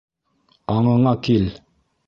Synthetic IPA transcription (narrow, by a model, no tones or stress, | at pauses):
ɑɴɤ̆ɴɑkel